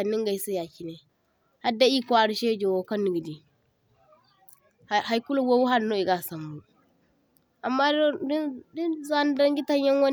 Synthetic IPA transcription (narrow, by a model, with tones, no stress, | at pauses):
a˨nːi˦ŋɡa˨i˦si˦ja˨ki˨ne˨ | ha˦da˦i˦kʷa˨ɾi˦ʃe˦d͡ʒo˨wo˨ka˦nːi˨ɡi˨di˨ | ɦa˨jku˦lo˦wo˦wu˦ɦa˦ɾno˦i˨ɡa˨sa˨mbu˨ | a˨mːa˦ddi˦nza˦n˦da˦ŋɡi˦ta˦ɲja˦ŋwa˦n